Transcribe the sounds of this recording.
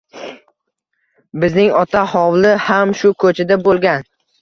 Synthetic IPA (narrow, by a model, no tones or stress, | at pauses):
bɪznɪŋɒt̪ʰahɒwlɪhamʃʊkʰɵt͡ʃʰɪd̪abolˠɡʲan